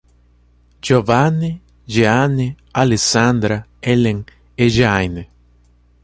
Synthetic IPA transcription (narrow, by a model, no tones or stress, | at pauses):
d͡ʒovanːi | d͡ʒeanːi | alesand̪ɾaeleŋ | eʒajne